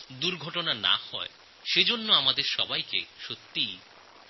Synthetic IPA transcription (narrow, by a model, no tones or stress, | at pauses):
d̪uɾɡʱɔʈonana̰hɔ̰e | ʃed͡ʑonːoamad̪eɾʃɔbajkḛʃot̪ːij